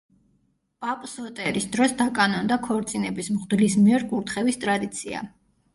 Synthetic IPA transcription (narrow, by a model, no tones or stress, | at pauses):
pʼapʼsɔt̪ʼɛɾisd̪ɾɔsd̪akʼanɔnd̪akʰɔɾt̪sʼinɛbismʁd̪lis̬miɛɾɡʼuɾt̪ʰχɛvist̪ʼɾad̪it̪sʰia̰